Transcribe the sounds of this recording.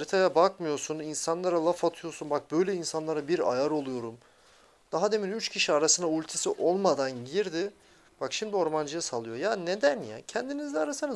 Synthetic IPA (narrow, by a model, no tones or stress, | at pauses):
aɾit̪ʰajabakmɯjo̞suninsanlˠaɾalˠafat̪ʰɯjo̞ɾsunbak̚bø̞jlʲɛinsanlˠaɾabiɾa̰jaɾo̞lˠujo̞ɾum | d̪̥aɦad̪e̞minyt͡ʃcʰiʃiaɾasɯnd̪aulʲt̪ʰesiʔo̞lˠmad̪anɟiɾd̪ɪ | b̥akʃimd̪io̞ɾmand͡ʒɯjasalˠɯjo̞janed̪ænja̰cʰɛnd̪inizd̪ɛaɾasɯna